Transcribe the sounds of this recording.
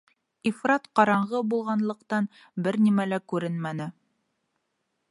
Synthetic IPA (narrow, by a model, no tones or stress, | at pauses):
ifrɑt̪qɑɾɑɴʁɤbulˠʁɑnlˠɤ̆qt̪ɑn | bɘɾnimælækʉɾɘnmænɘ